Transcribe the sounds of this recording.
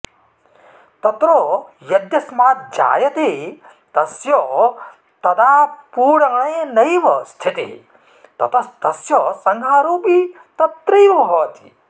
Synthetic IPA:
t̪ɐt̪ɾoːjɐd̪jɐsmaːt̪̚d͡ʒa̰ːjɐt̪i | t̪ɐsjo | t̪ɐd̪aːpuːɽɐɳ̃eːnɐjʋɐst̪ʰit̪ḭ | t̪ɐ̰t̪ʰɐt̪ɐsjɔsɐŋɡʱaːɾuːpi | t̪ɐt̪ɾijʋɐbʱɐʋɐt̪ʰi̥

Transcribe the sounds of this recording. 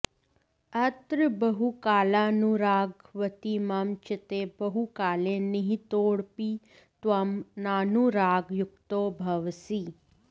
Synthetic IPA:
ɐt̪ɾəbɐɦukaːlaːnuɾaːɡʋɐt̪iːmɐmt͡ʃɪt̪eːbɐɦukaːlenɐɦĩt̪oːɽpiː | t̪wɐmnaːnuɾaːɡjʊk̚t̪oːbʱɐʋsiː

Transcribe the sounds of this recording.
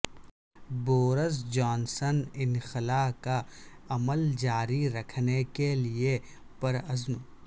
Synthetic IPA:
boːɾəzd͡ʒɔːnsənɪnxɪlaːkaɐməld͡ʒaːɾiɾɐkʰnekelie | pɐɾəzm

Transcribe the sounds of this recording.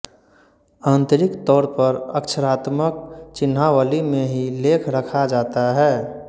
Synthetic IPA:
aːnt̪əɾɪkt̪ɔːɾpəɾəkʃʰəɾaːt̪mək̚t͡ʃɪnɦawəlimẽɦileːkʰɾəkʰad͡ʒaːt̪aɦɛː

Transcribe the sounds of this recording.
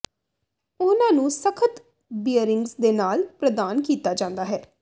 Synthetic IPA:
ʊnãːnũːsəkʰət̪ | bijəɾɪŋɡsd̪eːnaːlpɾəd̪aːnkiːt̪aːd͡ʒãːnd̪aːɦɛː

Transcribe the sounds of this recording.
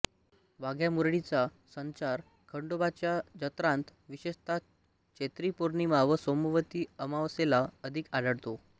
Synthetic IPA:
ʋaɡʱjamuɾɽit͡sa | səɲt͡saɾ | kʰəɳɖobat͡ɕjad͡ʑət̪ɾãnt̪ʋiɕest̪ʰa | t͡ɕʰet̪ɾipoɾnimaʋəsomuʋət̪iːəmaʋselaəd̪ʱikad̪əɽt̪o

